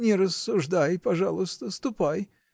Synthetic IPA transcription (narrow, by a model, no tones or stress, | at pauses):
nʲɪɾəsːʊʐd̪ajpɐʐalˠʊst̪əst̪ʊpaj